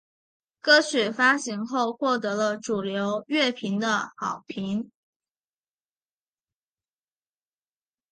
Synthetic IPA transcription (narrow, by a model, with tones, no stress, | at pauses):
kɤ˥ɕɛ˨˩fa˥ɕi˧˥ŋxo˥˧ʊxwɔ˥˩t̪̬ɤ˧˥lə˧ʈ͡ʂu˨˩ljo˧˥ʊɥɛ˥˩pʰi˧˥ŋd̪ə̰˧xɑ̰˨˩ʊpʰi˧˥ŋ